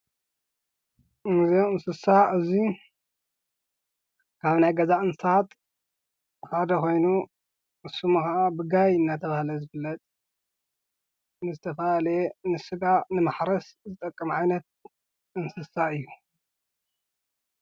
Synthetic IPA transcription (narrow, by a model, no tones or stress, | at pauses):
ɨnɨzeɨnsɨsaɨzi | kʰaβnajɡɐzaʔɨnsat̪ʼ | had̪ɐko̞jnu | ʔɨsːumɨxaʔabɨɡajɨnːat̪ʰɐβahlɐzɨbɨlːɐt̪ʼ | nɨzɨt̪ʰɐfɐlalenɨsɨɡanɨmaħɾɐszɨt̪ʼɐkʼːɐmʕajnɐt̪̚ | ɨnsɨsaɨjːu